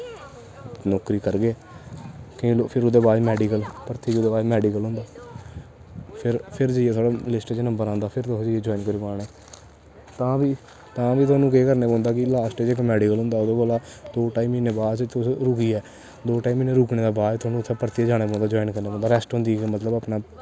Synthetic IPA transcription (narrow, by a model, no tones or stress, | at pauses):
nɔːkɾiːkəɾɡeː | kːĩopʰɪɾʊd̪eːbaːd̪mɛːɖiːkəlpəɾt̪ʰːiːt͡ʃʊd̪eːbaːd̪mɛːɖikəlɦʊ̃nd̪aː | pʰɪɾpʰɪɾd͡ʒəieːt̪ʰwaːɖaːlɪsʈet͡ʃnəmbəɾãːnd̪aːpʰɪɾt̪od͡ʒəed͡ʒɔːiːnkəɾiːpaːɽeː | t̪ãːʋiː | t̪ãːʋiːt̪ʊaːnũːkeːkəɾneːpɔ̃ːnd̪aːkɪlaːsʈet͡ʃek̬əmɛːɖiːkəlɦʊ̃ːnd̪aːʊd̪oːkoːlaːd̪̥oːʈaːiːmineːbaːdt͡ʃt̪ɾʊkiːɛː | d̪oːʈaːiːmiːnẽːɾʊːkɳeːd̪aːbaːɾt̪ʊaːnũːt̪ʰːẽːpəɾt̪iːd͡ʒaːɽ̃eːpɔ̃ːnd̪aːd͡ʒɔːinkəɾneːpɔ̃ːnd̪aːɾɛːsʈɦõːnd̪iːkmət̪ləbaːpnaː